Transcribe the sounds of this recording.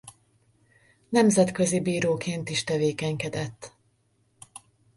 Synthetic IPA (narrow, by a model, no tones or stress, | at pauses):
nɛmzɛt̪køzibiːɾoːkeːnt̪iʃt̪ɛveːkɛɲkɛd̪ɛt̪ː